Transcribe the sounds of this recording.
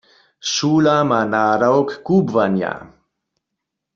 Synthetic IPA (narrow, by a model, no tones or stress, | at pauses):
ʃuːlamanaːɾawkːuːbvanja̰